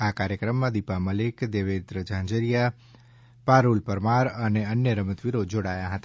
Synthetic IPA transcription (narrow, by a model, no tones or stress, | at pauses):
akaɾjəkɾəmːãd̪ipaməlekd̪eʋed̪ɾəd͡ʒãɲd͡ʒəɾija | paɾulpəɾmaɾəneənjəɾəmət̪ʋiɾod͡ʒoɽajaɦət̪a